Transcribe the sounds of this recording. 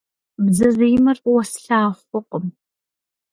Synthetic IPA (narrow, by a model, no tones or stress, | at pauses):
bzɐziːmɐrwɔsɬaːχʷʊqʷʼəm